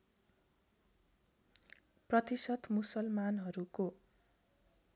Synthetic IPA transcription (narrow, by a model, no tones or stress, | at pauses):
prʌt̪isʌd̪musʌlmanɦʌɾuko